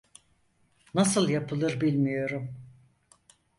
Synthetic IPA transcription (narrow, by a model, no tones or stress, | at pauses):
nasɯlˠjapʰɯlˠɯɾbilʲmijo̞ɾum